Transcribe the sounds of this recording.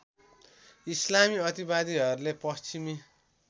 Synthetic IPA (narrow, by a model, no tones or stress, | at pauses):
islamiʌt̪ibad̪iɦʌɾulepʌst͡ɕimi